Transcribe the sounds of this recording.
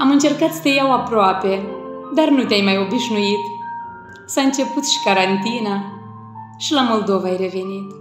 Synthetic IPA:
amɨnt͡ʃe̞rkat̪st̪ejawapɾoape̞d̪arnut̪eajmajo̞biʃnuit̪ | saɨnt͡ʃe̞put̪ʃi̥kaɾant̪ina | ʃilamo̞ld̪o̞vaajre̞ve̞nit̪

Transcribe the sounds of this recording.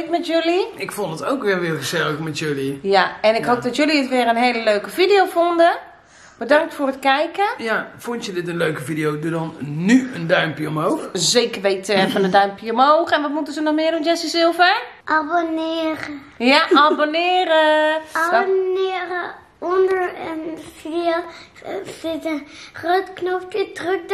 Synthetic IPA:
tmɛtjøliɪkfondətowkʋɪlʋɪːlˠxəzɛləkmɛtjølijaɛnɪkhoːp̚dɔtjøliɪtʋɪəɾənɦeːləløːkəfidijowfondə | b̥ədaŋk̚tfoːrətkɛjkəjafʊntjədɪtənløːkəfidiowdudɔnːyəndœɥmpjiomɦoːxzeːkərʋeːtfɔnəndœɥmpjəɔmhowxɛnʋɔtmutəzənɔxmɪəɾdund͡ʒɛsisɪlˠfɛɹʔabonɪːɾə | jaabonɪːrəabonɪːɾə | ondəɹənfidio | sɪtərøːtknofpətrøk̚

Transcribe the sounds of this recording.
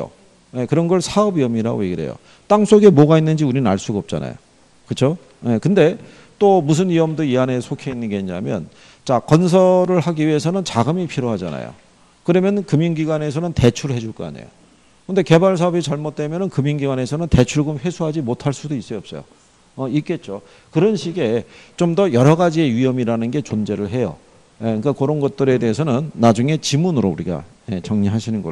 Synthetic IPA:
o̰ | je̞kɯɾʌnɡʌɭsʰaʌbiʌmiɾa̰ɡo̰jeɡiɾe̞̰jo̰ | t͈aŋs͈ʰoɡe̞moɡainːɯnd͡ʑiuɾinna̰ɭs͈uɡaʌp̚t͡ɕ͈a̰na̰jo̰ | kɯt͡ɕʰo | e̞kɯnde̞ | t͈omus̬ʰɯniʌmdɯiane̞sʰokʰeinːɯnɡe̞ɦina̰mjʌ̰n | t͡ɕakʌnsʰʌɾɯɭɦaɡiɥie̞sʰʌnɯnt͡ɕaɡɯmipʰiɾoɦad͡ʑa̰na̰jo̰ | kɯɾʌmjʌnkɯmjinɡiɡwane̞sʰʌnɯnte̞t͡ɕʰuɭɦe̞d͡ʑuɭk͈ʌa̰nḛjo̰ | kɯnde̞ke̞baɭs̬ʰaɦʌbit͡ɕʌɭmot̚t͈we̞mjʌnɯnkɯmjinɡiɡwane̞sʰʌnɯnte̞t͡ɕʰuɭɡomɸe̞sʰuɦad͡ʑimotʰaɭs͈udois͈ʌʌp̚s͈ʌ̰jo̰ | ʌik͈e̞t̚t͡ɕ͈o | kɯɾʌnɕʰiɡe̞t͡ɕomdʌjʌɾʌɡad͡ʑie̞ɥiʌmiɾanɯnɡe̞t͡ɕond͡ʑe̞ɾɯɭɦe̞jo̰ | jeik͈akoɾonɡʌt̚t͈ɯɾe̞de̞ɦesʰʌnɯnːad͡ʑuŋe̞t͡ɕimunɯɾouɾiɡa̰jet͡ɕʌŋɲiɦaɕʰinɯnɡʌ

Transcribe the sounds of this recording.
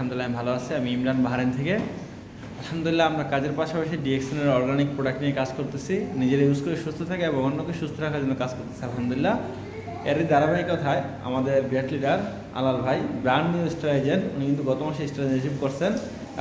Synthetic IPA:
amd̪ulilaebʱaloat͡ɕʰeamiimlanbaɦaɾent̪ʰeke | alhamnd̪ulilːaamɾakad͡ʑeɾpaʃapaʃiɖieksʰoneɾɔɾɡanik̚pɾoɖak̚ʈniekad͡ʑkoɾt̪et͡ɕʰinid͡ʑeɾeɦuskoɾeʃust̪ʰot̪ʰakeɛbõŋɦonːokeʃust̪ʰoɾakʰaɾd͡ʑonːokad͡ʑkoɾt̪e̥t͡ɕʰialɦamd̪ulilːa | kɛɾɾid̪aɾabaikot̪ʰae | a̰mad̪eɾbeʈliɖaɾ | a̰lalbʱajbɾaɳɖnioisʈaled͡ʑenunikint̪̬uɡɔt̪omaʃeisʈaled͡ʑeʃipkoɾt͡ɕʰen

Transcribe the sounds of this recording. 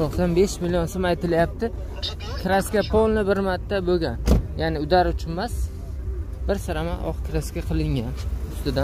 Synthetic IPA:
oqsanbeʃmɪlijonsomajt̪ɪlajap̚t̪ɪ | kʲʰɾaskʲapʰolˠnɪbɪɾmat̪ʰːaboɡʲanjanɪʊd̪aɾʊt͡ʃʰʊnmas | b̥ɪɾsɪɾamaʔɒ̰qkʲʰɾaskʲaqʰɨlˠɪŋʲanʊst̪ɪd̪an

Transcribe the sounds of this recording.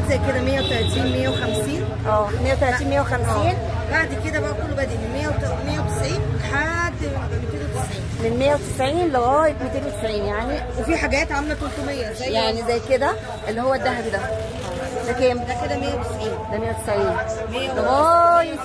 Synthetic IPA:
zæjked̪æmejːæwet̪ælæt̪iːnmejːæwexæmsiːn | ʔæːmejːæwet̪ælæt̪iːnmejːæwexæmsiːn | baʕd̪ked̪æbæʔækolːobæd̪ʔimenmejːæwet̪mejːæwet̪esʕiːnħad̪w̪mek̪eːd̪æwet̪esʕiːnmenmejːæwet̪e̥sʕiːnleɣæːjemet̪eːnet̪e̥sʕiːnjaʕniwefiħaɡæːt̪ʕamlækolt̪omejːææjaʕnizæjked̪æ | ʔelːihowːæd̪ːæɦæbid̪æ | lækeːmæked̪æmejæwet̪esʕiːnd̪æmejːæwet̪e̥sʕiːnmeːleɣæːjemet̪

